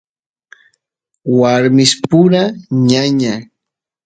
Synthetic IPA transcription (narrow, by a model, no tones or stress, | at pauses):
waɾmɪspʊɾaɲaɲaŋ